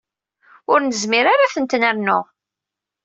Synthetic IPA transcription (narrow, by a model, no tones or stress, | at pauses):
ʊɾnəzmɪɾaɾaθənt̪næɾnʊ